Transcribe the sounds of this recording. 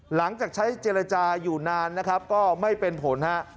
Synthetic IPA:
la˩˦ŋt͡ɕaː˨˩k̚t͡ɕʰa˦˥jt͡ɕeː˧ɾa˧t͡ɕaː˧juː˨˩naː˧nːa˦˥kʰa˦˥p̚kɔː˥˩ma˥˩jpe˧npʰo˩˦nha˦˥ʔ

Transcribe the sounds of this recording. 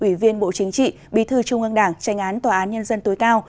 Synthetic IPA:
ʔwi˧˩vi˧ənɓo̰˧˨t͡ɕï˨˦ŋ̟t͡ɕḭ˧˨ | ɓi˨˦t̪ʰɨ˧˩t͡ɕʊ˧˩ŋ͡mŋʔə˧ŋɗaː˧˩ŋt͡ɕa˨˦jŋ̟ʔaː˨˦nt̪waː˨˩ʔaː˨˦nɲə˧nzə˧nt̪o˨˦jkaː˧w

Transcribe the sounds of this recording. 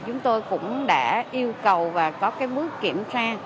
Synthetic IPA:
t͡ɕʊ˨˦ŋ͡mt̪o˧jkʊ̰˧˥ŋ͡mɗa̰ː˧˥ʔi˧əwkə˨˩wvaː˨˩kɔ˨˦kaː˨˦jmɨ˦˥əkːi˧˩əmt͡ɕaː˧

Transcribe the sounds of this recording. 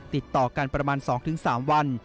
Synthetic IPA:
t̪i˨˩t̪ːɔː˨˩ka˧npɾa˧maː˧nsɔː˩˦ŋt̪ʰɯ˩˦ŋsaː˩˦mwa˧n

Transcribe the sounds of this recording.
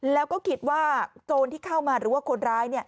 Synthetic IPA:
lɛː˦˥wkɔː˥˩kʰi˦˥t̪̚waː˥˩t͡ɕoː˧nt̪ʰiː˥˩kʰa˥˩wmaː˧ɾɯː˩˦waː˥˩kʰo˧nɾaː˦˥jni˥˩ɐ

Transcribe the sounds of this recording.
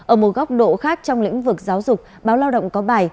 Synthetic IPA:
ʔʔəː˧˩mo˨˩t̚ɣa˦˥wk͡p̚ɗo̰˧˨xaː˦˥k̚t͡ɕɔ˧wŋ͡mlḭ˧˥ŋ̟vɨ˨˩k̚zaː˨˦wzʊ˨˩k͡p̚ɓaː˨˦wlaː˧wɗə̰˧˨wŋ͡mkɔ˨˦ɓaː˨˩j

